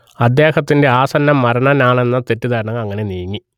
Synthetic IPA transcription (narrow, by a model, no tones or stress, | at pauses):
ɐd̪ːe̞ːhɐt̪ːinde̞aːsɐnːɐmːɐɾɐɳɐnaːɳe̞nːɐt̪e̞tːud̪ʱaːɾɳɐŋɐɐŋːɐne̞nijɐŋːi